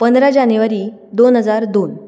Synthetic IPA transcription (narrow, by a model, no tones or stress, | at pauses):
pənd̪ɾad͡ʑanjuʋaɾiː | d̪onɦəd͡zaɾd̪on